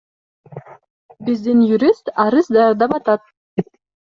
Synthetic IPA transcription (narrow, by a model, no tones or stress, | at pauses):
bizd̪injuɾʲist̪ɑɾɯzd̪ɑjɑɾd̪ɑpɑt̪ɑt̪̚